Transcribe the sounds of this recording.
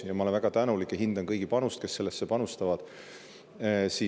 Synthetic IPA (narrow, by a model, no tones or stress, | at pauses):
jɑmɑolenvæɡ̥ɑt̪ænulikːˑjɑɦind̪ɑnkɤjɡ̥ipɑnust̪̚ke̞sːe̞lːesːepɑnust̪ɑvɑd̪̥ | siː